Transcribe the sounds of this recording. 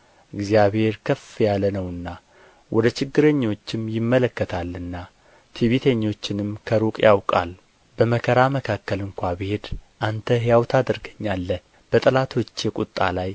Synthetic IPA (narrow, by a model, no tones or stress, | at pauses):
ʔɨɡzijaβhe̞ɾkʰəfjalənəwɨnːa | wʔɔd̪ət͡ʃɪɡːɨɾəɲːo̞t͡ʃːɪmjɪmːələkːət̪ʰalːɨnːa | t̪ʰiβit̪ʰeɲːo̞t͡ʃːɪnɨmkʰəɾukʼjawkʼa̰l | bəməkʰəɾaməkʰakːəlɨŋkʷabɨhe̞d̪ʔant̪ʰəhjawt̪ʰad̪ɨɾɡəɲːalːəh | b̥ət̪ʼɨlat̪ʰo̞t͡ʃːjɛkʷʼut̪ʼːa̰laj